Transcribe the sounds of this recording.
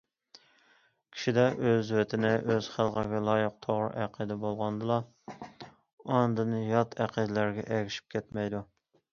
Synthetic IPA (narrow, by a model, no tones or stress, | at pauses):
kʲʰi̥ʃid̪ɛʔøzwɛt̪ʰɪnɪʔøz̥χælˠʁəɡʲɛlˠɑːjəq̚t̪ʰoʁɾɨ̰ʔæqʰəd̪ɛbolˠʁɑnd̪ɨlˠɑ | ɑnd̪ɨnɨjɑt̪ʰæqʰid̪læɾɡʲɛ̰ʔɛɡʲiʃi̥p̚kʲʰɛt̪mɛjd̪u